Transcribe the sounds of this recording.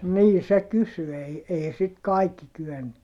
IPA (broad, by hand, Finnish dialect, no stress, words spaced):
niː se kysy ei ei sit kɑikːi kyenːyt